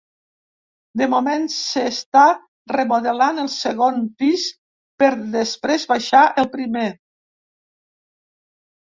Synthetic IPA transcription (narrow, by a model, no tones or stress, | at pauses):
d̪əmomensəst̪a | rəmuðəlanəlˠsəɣonpis | pəɾðəspɾezβaʃaʔəlˠpɾime